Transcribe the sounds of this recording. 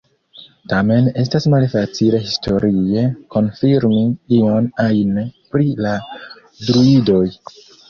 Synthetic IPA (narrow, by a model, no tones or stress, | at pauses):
tame̞ne̞s̬tasmalfat͡sile̞ɦistʰo̞ɾie̞ko̞nfiɾmiionajnpɾila | dɾuido̞j